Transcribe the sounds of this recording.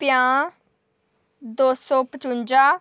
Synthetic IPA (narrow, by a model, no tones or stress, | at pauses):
pɪjãː | d̪oːsõːpət͡ʃʊɲd͡ʒaː